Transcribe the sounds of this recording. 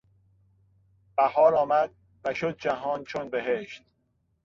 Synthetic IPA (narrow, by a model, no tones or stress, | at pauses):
b̥æhɒːɾɒːmæd̪̚ | væʃod̪̚d͡ʒæɦɒːnt͡ʃʰonbe̞ɦeʃt̪